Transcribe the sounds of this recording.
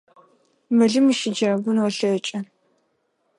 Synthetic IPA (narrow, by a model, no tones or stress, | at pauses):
mɐɮɨmɨʃɪd͡ʒɐrɐɡʷʊnwɔɬɐt͡ʃʼɐ